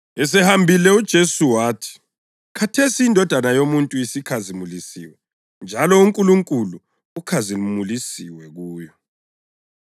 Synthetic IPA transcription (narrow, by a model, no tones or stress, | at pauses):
ɛs̬ɛhambʱilɛud̥ʒ̥ʱesuwaːtʰi̥ | kʰatʰesiindʱɔd̥ʱanajomuntʼujisikʰazimulisḭwɛ | nd͡ʒʱalɔuŋkʼuluŋkʼulu | ukʰaziumulisiwɛɣuːjɔ